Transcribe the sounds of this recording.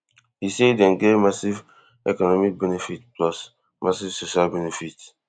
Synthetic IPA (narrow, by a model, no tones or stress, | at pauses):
hisedɛ̃nɡemasiv | ḛkɔnɔmik̚benefit̚plɔs | mʔasivsoʃalbenefit